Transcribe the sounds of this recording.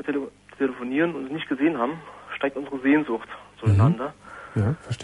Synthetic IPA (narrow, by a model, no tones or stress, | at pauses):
eltʰeləfoniːʁənʊntsnɪçt̚ɡ̥əzeːənhaːbm̩ʃtaɪktʔʊnzəʁəzeːnzʊxtz̥oːnandɐjafɛʃt